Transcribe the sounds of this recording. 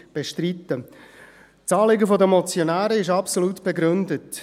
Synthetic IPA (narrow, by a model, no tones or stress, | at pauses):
b̥eʃtritə | t͡sɑːlɪɡəfodəmɔt͡sjonæːɾəɪʃɑpsoluːtb̥eɡɾʏndət